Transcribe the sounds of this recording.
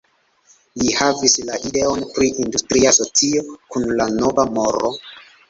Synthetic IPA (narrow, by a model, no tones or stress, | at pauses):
lihavislaʔide̞o̞npɾiʔindustɾiaso̞t͡sio̞kunlano̞vamo̞ɾo̞̰